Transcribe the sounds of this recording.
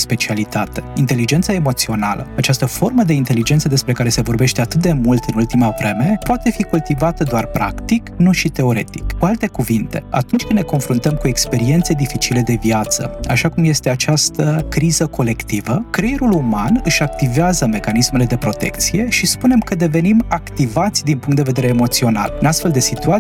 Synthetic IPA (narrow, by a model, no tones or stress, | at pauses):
spe̞t͡ʃialit̪at̪e̞int̪e̞lid͡ʒe̞nt̪saemo̞t̪sio̞nalə̰at͡ʃast̪əfo̞rməd̪e̞int̪e̞lid͡ʒent̪səd̪e̞spɾe̞kaɾe̞se̞vo̞rbe̞ʃt̪e̞at̪ɨt̪̚d̪e̞mult̪ɨnult̪imavɾe̞me̞poat̪e̞fikult̪ivat̪əd̪oarpɾa̰kt̪iknuʃit̪e̞o̞ɾe̞̰t̪i̥kkualt̪e̞kuvint̪e̞a̰t̪unt͡ʃʲkɨnne̞ko̞nfɾunt̪əmkue̞kspe̞ɾie̞nt̪se̞d̪ifit͡ʃile̞d̪e̞viat̪sə̰a̰ʃakumje̞st̪e̞at͡ʃast̪əkɾizəkʰo̞le̞kt̪ivəkɾejeɾulumanɨʃak̚t̪iveazəme̞kanisme̞le̞d̪e̞pɾo̞t̪e̞̰kt̪sije̞ʃispune̞mkəd̪e̞ve̞nimakt̪ivat̪sʲd̪inpuŋkt̪d̪eve̞d̪eɾeːmo̞t̪sio̞na̰lɨnast̪fe̞ld̪e̞sit̪ua